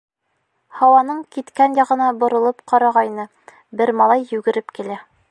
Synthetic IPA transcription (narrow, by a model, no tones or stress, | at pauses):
hɑwɑnɤɴkit̪kænjɑʁɤ̆nɑbŏɾɤ̆lˠɤpqɑɾɑʁɑinɤ | bɘɾmɑlˠɑjːʉɡɘ̆ɾɘpkilæ